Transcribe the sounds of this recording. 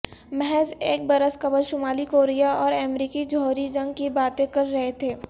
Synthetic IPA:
mɛɦɛzeːk̚bɐɾəskɐbəlʃʊmaːlikoːɾijaɔːɾɛːmɾiːkid͡ʒɔːɾid͡ʒɐ̃ŋɡ̚kibaːt̪ẽkɐɾːɐɦet̪ʰeː

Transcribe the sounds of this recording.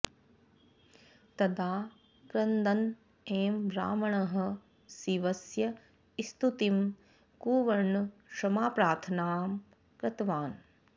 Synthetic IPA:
t̪ɐd̪aː | kɾɐnd̪ɐn | eːmbɾa̰ːmɐɳɐɦɐ̆ | siʋɐsjɐ | ist̪ut̪im | kuːʋɐɾɳːɐʃɾɐmaːpɾaːt̪ʰɐnaːm | kɾɐt̪ʋaːn

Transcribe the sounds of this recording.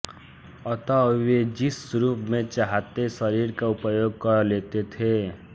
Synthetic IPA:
ʌt̪ʌwed͡ʒisɾupmet͡ʃaɦat̪esʌɾiɾkaupʌjoɡ̚kʌɾlet̪et̪ʰe

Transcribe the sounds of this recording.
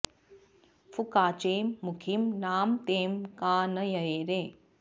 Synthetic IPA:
fukaːt͡ʃeːmːukʰimnaːmt̪eːmkaːnɐjɐeːɾeː

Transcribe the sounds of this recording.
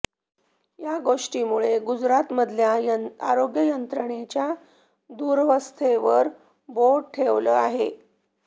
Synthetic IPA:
jaɡoʂʈiːmuɭeɡud͡zɾat̪məd̪ʱljaaɾoɡjəjənt̪ɾəɳet͡ɕja | d̪uːɾʋəst̪ʰeʋəɾ | boɾʈʰeʋlə̰aɦḛ

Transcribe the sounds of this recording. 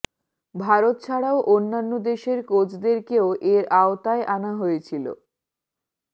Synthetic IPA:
bʱaɾot̪̚t͡ɕʰaɽaoʔonːanːod̪eʃeɾkod͡ʑʰd̪eɾkeoʔeɾaot̪aeʔanaɦojet͡ɕʰilo̰

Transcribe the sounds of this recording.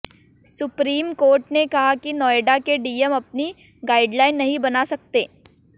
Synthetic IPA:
sʊpɾiːmkoːɾʈnekɐɦakinɔːeɖakeɖiːəmɐp̚ni | ɡaːɪɖlaːɪnːɐɦĩbɐnasɐk̚t̪eː

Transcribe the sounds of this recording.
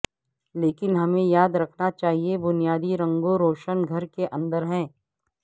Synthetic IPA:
leːkɪnɦɐmẽjaːd̪ɾɐkʰnat͡ʃaːɦiebʊnijaːd̪iɾɐ̃ŋɡoɾoːʃənɡʱɐɾkeʔɐ̃nd̪əɾɦɛ̃ː

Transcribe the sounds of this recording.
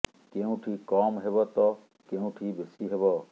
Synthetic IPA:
keũʈʰikɔmɦebɔt̪ɔ | keũʈʰibesiɦebɔ

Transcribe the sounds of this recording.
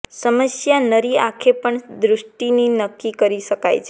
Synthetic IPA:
səməsjanəɾiakʰepəɳd̪ɾʊʃʈininəkːikəɾiʃəka̰jt͡ʃʰe

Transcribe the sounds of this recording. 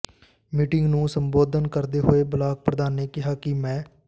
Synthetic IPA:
miːʈɪŋɡnũːsəmboːd̪ənkəɾd̪eːɦoːeːbəlaːk̚pɾəd̪aːnːeːkɪɦaːkɪmɛ̃ː

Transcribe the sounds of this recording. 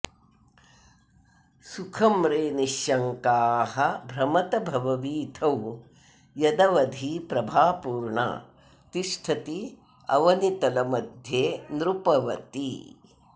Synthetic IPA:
sukʰɐmɾeːniʃjɐŋkaːɦɐbʱɾɐmɐt̪ɐbʱɐʋɐʋiːt̪ʰɐw | jɐd̪ɐʋɐd̪ʱiːpɾɐbʱaːpuːɾɳa̰ː | t̪iʃʈʰɐt̪i | ɐ̰ʋɐnit̪ɐlɐmɐd̪ʱjeːnɾupɐʋɐt̪i

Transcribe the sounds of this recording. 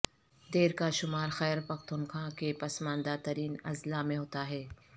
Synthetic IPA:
d̪eːɾkaʃʊmaːɾxɛːɾpɐxt̪ʊnxãːkepɐsmãːnd̪aːt̪ɐɾiːnɐ̰zlamẽɦoːt̪aɦɛː

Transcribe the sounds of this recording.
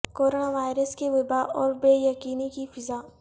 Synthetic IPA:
koːɾoːnaʋaːɪɾəskeʋɪbaɔːɾbeːjɐkiːnikifɪza

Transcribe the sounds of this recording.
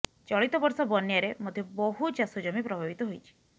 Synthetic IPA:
t͡ʃɔɭit̪ɔbɔɾsɔbɔnjaɾemod̪ʱjɔbɔɦut͡ʃasud͡ʒɔmipɾɔbʱabit̪ɔɦojt͡ʃʰi̥

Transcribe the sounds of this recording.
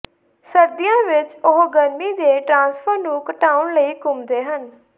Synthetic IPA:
səɾd̪ɪjãːʋɪt͡ʃʊɦɡəɾmiːd̪eːʈɾãːspʰəɾnũːkəʈaːʊɳləiːkʊmd̪eːɦən

